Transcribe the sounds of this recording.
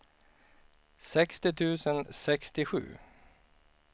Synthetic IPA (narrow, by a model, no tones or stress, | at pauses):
sɛkst̪ɪt̪ʰʉ̟ːsənsɛkst̪ɪɧʉ̟̰ː